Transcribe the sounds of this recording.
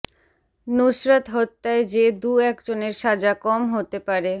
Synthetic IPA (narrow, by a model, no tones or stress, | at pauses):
noʃɾat̪ɦɔt̪ːaed͡ʑed̪uɛkd͡ʑoneɾʃad͡ʑakɔmɦot̪epaɾe